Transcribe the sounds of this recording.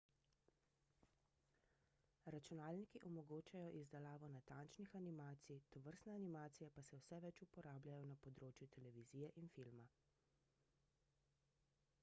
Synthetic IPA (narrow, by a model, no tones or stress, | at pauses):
ɾat͡ʃunaːlnikiʔɔmɔɡoːt͡ʃajɔʔizd̪ɛlaːʋɔnat̪aːnt͡ʃnixanimaːt̪sijt̪ɔʋəɾst̪nɛanimaːt̪sijɛpasɛwsɛʋɛt͡ʃupɔɾʔaːblʲjajɔnapɔd̪ɾoːt͡ʃjut̪ɛlɛʋiziːjɛʔinfilma